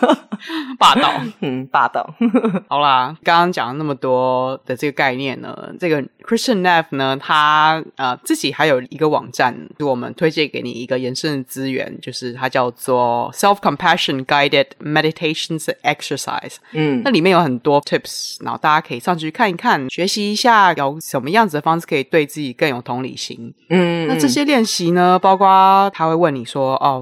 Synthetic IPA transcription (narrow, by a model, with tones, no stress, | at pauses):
pa˥˧t̪ɑ˥˨˩ʊ˥˩pa˥˧t̪ɑ̰˥˩ʊɑ˨˩ʊlɐ˧kɑ˥ŋkɑ˥ŋt͡ɕjɑ̰˨˩ŋna˥˩mə˩t̪wɔ˥d̪̥ə˨ʈ͡ʂɤ˥˩ɡə˩ka˥˧ɪnjɛ˥˨nːə̰˩ʈ͡ʂɤ˥˩ɡə˩kʰɹɪ˥st͡ɕə˥˩nnɛ˥˩fnə˩t̪ʰa˥ə˧t͡sɹ̩˥˩t͡ɕi˨˩xa˧˥ɪjo˨˩ʊi˧˥ɡə˧wɑ̰˨˩ŋʈ͡ʂa˥˩n˧˥wɔ˨˩mə̰˦nt̪ʰwe˥ɪt͡ɕjɛ˥˩ke˧˥ɪnḭ˨˩i˧˥ɡə˧jə˧˦˥nʂə˥˧ŋt͡sɹ̩˥ɥɛ̰˧˦nt͡ɕjo˥˧ʊʂɻ̩˥˩t̪ʰa˥t͡ɕjɑ˥˧ʊt͡swɔ˥˨˩sɛ˥lfkʰə˨mpʰæ˥ʂə˨nɡa˧˥ɪdɪ˨˩dmɛ˧ɾi˧t̪ʰe˥ɪʂə˨˩nsɛ˦˥ksə˧sa̰˨˩ɪsna˥˩li˨˩mʲjɛ˥˩njo˧˥ʊxə˨˩nt̪wɔ˥t̪ʰi˥˩psna̰˨˥xo̰˥˩t̪a˥˩t͡ɕja˥kʰə˧˥i˨˩ʂɑ˥˧ŋt͡ɕʰt͡ɕʰy˥kʰa˥˩ni˧˥kʰa˥˩nɕɥɛ˧˥ɕi˧˥i˧˥ɕja˥˩jo˨˧˩ʊʂə˨˩nmə˦jɑ˥˩ŋd͡zɹ̩˩d̪ə˩fɑ˥ŋʂɻ̩˥˩kʰɤ˧˥i˨˩t̪we˥˧ɪt͡sɹ̩˥˩t͡ɕi˨˩kə˥˩njo˨˩ʊt̪ʰʊ˧˥ŋlḭ˨˩ɕḭ˧˥ŋ̩˥na˥˧ʈ͡ʂɤ˥˩ɕjɛ˥ljɛ˥˩nɕi˧˥nə˧pɑ˥ʊkwa˥t̪ʰa˥xwe˥˧ɪwə˥˩nːi˨˩ʂwɔ˥ʔɔ˥˧˩